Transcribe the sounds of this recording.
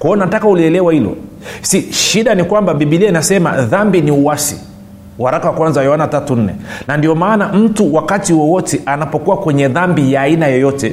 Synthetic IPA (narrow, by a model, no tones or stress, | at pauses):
kwaɔnatakauliɛlɛwahilɔ̰ | siʃiɗanikwambaɓiɓiliɛinasɛma̰ðambiniuwasḭ | waɾakawakwanzajɔanatatun̩nɛ̰nandiɔmaːnam̩tuwakatiwɔwɔtɛʔanapɔkuwakwɛɲɛðambijaːinajɔjɔtɛ